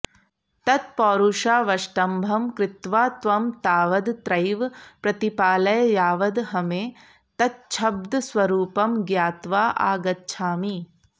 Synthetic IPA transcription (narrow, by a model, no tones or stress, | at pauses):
t̪ɐt̪̚pɔːɾuʃaːʋɐʃʈɐmbʱɐmkɾɪt̪ʋaːt̪ʋɐmt̪aːʋɐd̪t̪ɾɐjʋpɾɐt̪ipaːlɐjjaːʋɐd̪ɦɐmeː | t̪ɐt̪̚t͡ʃʰɐb̚d̪sʋɐɾuːpɐmɡjaːt̪ʋaːʔa̰ːɡɐt̪̚t͡ʃʰaːmiː